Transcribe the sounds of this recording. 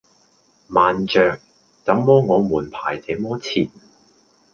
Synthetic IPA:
maː˨nt͡ʃœː˨k̚ | t͡sɐ˨˥mːɔː˥ŋɔː˨˧muː˨˩npʰaː˨˩jt͡se˨˥jmɔː˥t͡sʰiː˨˩n̚

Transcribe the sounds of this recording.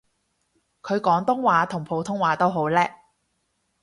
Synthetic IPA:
kʰɵ˨˧ɥkɔː˨˥ŋt̪ʊ˥ŋwaː˨˧t̪ʰʊ˨˩ŋpʰo˨˥wt̪ʰʊ˥ŋwaː˨˧˥t̪o˥wɦo˨˥wlɛː˥

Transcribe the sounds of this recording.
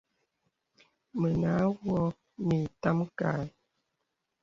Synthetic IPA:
mə˨na˨˦wwɔ˦ | mi˨ta˦mka˨

